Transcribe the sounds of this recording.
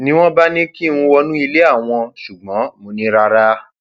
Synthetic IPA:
nĩ˦w̃ɔ̃˦ba˦nĩ˦kĩ˦˨˧ũ˧wɔ˧nũ˦i˧le˦a˦˨w̃ɔ̃˧ʃu˨ɡ͡bɔ̃˨˦mo˧˦nĩ˦ɾa˧ɾa˦

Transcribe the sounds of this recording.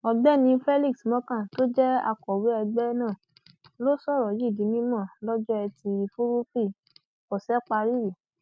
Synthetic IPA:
ɔ˧ɡ͡bɛ˦nĩ˧fɛ˦li˦˨ksmɔ̃˦kã˦˨to˦d͡ʒɛ˦a̰˧kɔ˨wi˨˦ɛ˧ɡ͡bɛ˦nãː˦˨ | lo˦sɔ˦˨ɾɔ˨ji˦˨di˨˦nĩ˦mã˦˨lɔ˦d͡ʒɔ˦ɛ˧ti˧fu˦ɾu˦pi˦˨ | kɔ˨sɛ˦k͡pa˧ɾi˦ɾi˨

